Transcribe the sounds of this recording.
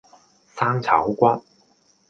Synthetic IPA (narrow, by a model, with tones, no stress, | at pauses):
saː˥ŋt͡sʰɐ̰˨˥wkʷɐ˥t̚